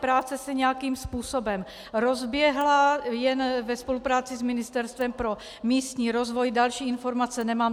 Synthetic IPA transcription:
pɾaːt͡sɛsɛɲɛjakiːmspuːso̞bɛm | ɾo̞zbjɛɦlajɛnvɛspo̞lupɾaːt͡sɪzmɪnɪst̪ɛɾst̪vɛmpɾo̞ | miːst̪ɲiːɾozvo̞jdalʃiːɪnfo̞ɾmat͡sɛnɛmaːm

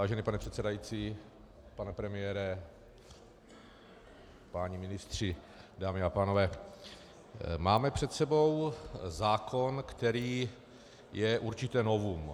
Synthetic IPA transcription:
aːʒɛniːpanɛpr̝̥ɛt̪sɛdajiːt͡siː | panɛpɾɛmɪjɛːɾɛ | paɲimɪnɪst̪r̝̥ɪ | daːmɪapaːno̞vɛː | maːmɛpr̝̥ɛt̪sɛbo̞wzaːkʰo̞nkt̪ɛɾiː | jɛʔuɾt͡ʃɪt̪ɛno̞vum

